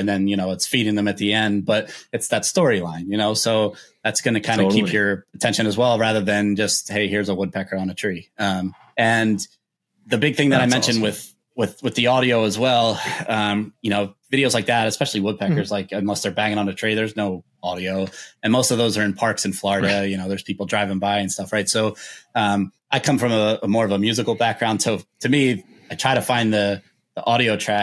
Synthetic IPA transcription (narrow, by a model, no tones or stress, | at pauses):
ɨ̃nðɨ̃njɨñoʊətsfiɾɪ̃ŋðə̃mɨt̪̚ðiɛ̃nd̚b̥ʌɾɨtsðɨtstɔɹilãɪ̃njɨnoʊsoʊðætsɡ̥ʌnɨkʰãɪ̃nɨkipjə˞ɨtʰɛ̃nʃɨ̃nɨzwɛlˠɹæðə˞ðɨ̃nd͡ʒʌst̚heɪhɪɹzəwʊd̚pʰɛkə˞ə̃nɨtʰɹ̥iʌ̃m | ɨ̃n | ðɨbɪɡ̚θɪ̃ŋðɨɾaɪmɛ̃nʃɨ̃n̚wɪð̥ | wɪðwɨðiɑɾioʊəzwɛlˠʌ̃mjɨñoʊvɪɾioʊzlaɪk̚ðæɾɨspɛʃl̩ˠiwʊd̚pʰɛkə˞zlaɪkɨ̃nlʌstə˞bæ̃ŋɪ̃ŋə̃nɨtʰɹ̥iðə˞znoʊ | ɑɾioʊɨ̃nmoʊstʌvðoʊzə˞ɨ̃npʰɑɹksɨ̃n̩flɔɹɨɾɨjɨñoʊðə˞z̥pʰipl̩ˠdɹaɪvɪ̃ŋbaɪɨ̃nstʌfɹaɪtsoʊʌ̃m | ʔaɪkʰʌ̃ɱfɹʌ̃məəmɔɹʌvəmjʉzɨkl̩ˠbæk̚ɡ̥ɹãʊ̃nd̥soʊtʰɨmi | aɪtʰɹ̥aɪɾɨfãɪ̃nðə | ðiʔɔɾioʊtʰɹ̥æ